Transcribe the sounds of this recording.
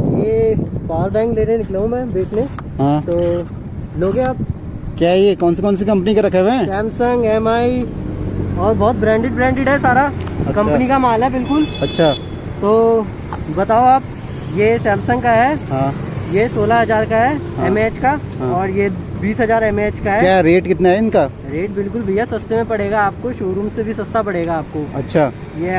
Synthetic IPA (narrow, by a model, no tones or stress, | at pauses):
jeːbaːɾbɛ̃ːŋkleːɾenɪkleũmɛ̃ːbeːkʰnẽ | ɦãt̪oː | loːɡẽaːp̚ | kjaːjekɔːnsikɔːnsikɐ̃mpənikeɾɐkʰːeʋẽːsɛ̃ːmsə̃ŋɡɛːmaːi | ɔːɾbɔːt̪̚bɾɛ̃ːɳɖɪɖ̚bɾɛ̃ːɳɖɪɖɦɛsaːɾaɐkɐ̃mpənikamaːlaɦɛbɪlkʊlɐtːʃʰa | t̪oː | bɐt̪aːoaːp̚ | jesɛ̃ːmsə̃ŋkaɦɛːɦãː | jesoːlaɦɐzaːɾkaɦɛ | ɦɛmeːt͡ʃkaɦɔːɾjebiːsɦɐzaːɾɛmeːt͡ʃkaɦɛjaɦɛɾeːʈkɪt̪naɦɛɪnkaː | ɾeːʈ̚bɪlkʊlbʱijasɐst̪emẽpɐɽ̤eːɡaaːp̚koʃoːɾũːmsebʱisɐst̪apɐɽeːɡaːp̚koːɐtːʃʰaː | je